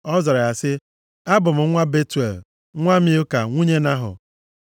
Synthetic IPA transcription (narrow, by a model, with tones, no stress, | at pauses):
ɔ˦zɔ˨ɾa˨a˨sɪ˦ | a˦bʊ˨m̩˨˦ŋʷa˦be˦tu˨e˨l | ŋʷa˦mi˦ʊ˦ka˨ŋʷu˦ɲe˦na˦ɦʊ̰˨